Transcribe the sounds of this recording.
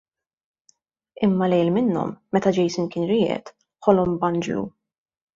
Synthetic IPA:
ɪmːɐlɛjlmɪnːɔ̰mːɛt̪ɐd͡ʒɛjsɪnkɪːnɾɪːʔɛ̰t̪ | ħɔlɔmbɐnd͡ʒlṵ

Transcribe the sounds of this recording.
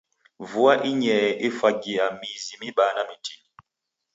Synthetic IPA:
vuaʔiɲɛʔefaɡiamizimiɓaːnamitʰi

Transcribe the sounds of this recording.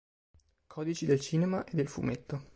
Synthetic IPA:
kʰɔːd̪it͡ʃid̪elt͡ʃiːnemaʔed̪ːelfṵmet̪ːo

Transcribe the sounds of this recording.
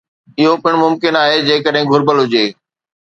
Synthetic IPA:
ɪɦopɪɽ̃mʊmkɪnaːɦed͡ʑeːkəɗɦɪ̃ɡʱʊɾbəlɦʊd͡ʑeː

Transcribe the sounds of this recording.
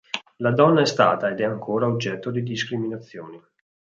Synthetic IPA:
lad̪ɔnːaɛst̪a̰ːt̪aed̪ɛaŋkʰoːɾaod͡ʒɛt̪ːod̪id̪iskɾiminat̪sːjoːni

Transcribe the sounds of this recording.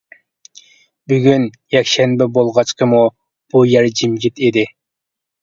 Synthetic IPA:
byɡʲyn | jɛkʲʃɛnbɛbolˠʁɑt͡ʃqʰəmu | b̥ujɛɾd͡ʒimɡʲit̪id̪ɪ

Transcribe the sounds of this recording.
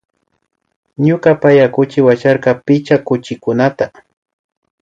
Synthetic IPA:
ɲʊkapajakʊt͡ʃɪwat͡ʃaɾqɑpɪt͡ʃakʊt͡ʃɪkʊnat̪a

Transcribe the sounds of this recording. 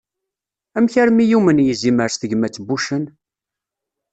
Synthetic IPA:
æmçæɾmijumənjiziməɾsθəʝmæt͡sːbuʃən

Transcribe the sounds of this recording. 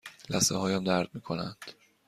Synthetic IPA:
læseɦɒːjæmd̪æɾd̪̥̚miːkʰo̞nænd̪̥

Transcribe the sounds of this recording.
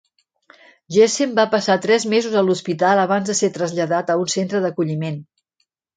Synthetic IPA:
ʒesembapəsat̪ɾɛzmezuzəluspit̪alˠəβ̞anzðəset̪ɾəzʎəðat̪əunsent̪ɾəðəkuʎimen

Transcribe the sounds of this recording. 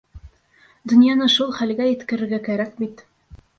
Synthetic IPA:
d̪ɵ̆njɑnɤʃulˠχælɡæjɘ̆t̪kɘ̆ɾɘ̆ɾɡækæɾækbit̪

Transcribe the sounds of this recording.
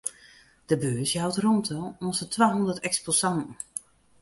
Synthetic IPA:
d̥əbøːsjawtrontʰɔlˠonsətʰʋaːɦɔndətɛksposɑntn̩

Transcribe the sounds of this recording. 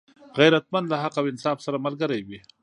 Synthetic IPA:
ɣajɾat̪̚mand̪laɦaqawɪnsɑfsaɾamalɡəɾajwi

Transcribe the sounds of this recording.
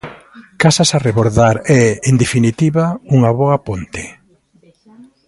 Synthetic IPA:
kasasareβoɾðaɾɛend̪efinit̪iβauŋaβɔɐpont̪e̥

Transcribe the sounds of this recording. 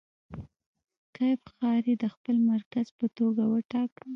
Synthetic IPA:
kajbxɑɾed̪əxpəlmaɾkazpət̪oɡawəʈɑkəl

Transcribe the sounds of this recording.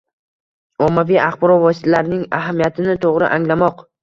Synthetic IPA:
ɒmːavijaχbɒɾɒvɒsɪ̥t̪ʰalaɾnɪŋaɦamijat̪ʰɪnɪt̪ʰoʁɾɪ̰ʔaŋlamɒq

